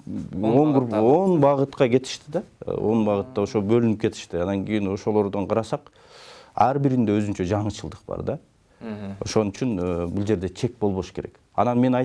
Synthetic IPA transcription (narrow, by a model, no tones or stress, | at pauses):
oŋɡɾupo̞nbɑʁɯt̪qɑɡʲe̞t̪ʰi̥ʃt̪id̪ɑo̞̰nbɑʁɯt̪ːɑo̞ʃobølynyp̚ke̞t̪i̥ʃt̪iɑnɑŋɡijino̞ʃo̞lˠo̞ɾd̪o̞ɴqʰɑɾɑsɑq | ɑɾbiɾind̪e̞øzynt͡ʃæd͡ʒɑɴɯt͡ʃʰɯlˠd̪ɯ̥qbɑ̰ɾd̪ɑ | o̞̰ʃo̞nyt͡ʃynbulˠd͡ʒe̞ɾd̪e̞t͡ʃʰe̞k̚bo̞lˠβo̞ʃɯ̥kʰe̞ɾe̞̰k | ɑ̰nɑnme̞nɑj